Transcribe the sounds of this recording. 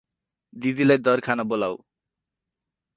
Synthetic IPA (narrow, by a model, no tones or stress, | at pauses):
d̪id̪ilajd̪ʌɾkʰanabola̰w